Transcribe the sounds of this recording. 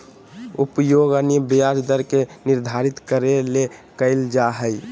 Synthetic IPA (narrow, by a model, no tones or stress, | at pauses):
upjoɡəniəbijad͡ʒd̪əɾkeniɾd̪ʱaɾit̪kəɾelekəɪld͡ʒaɦəj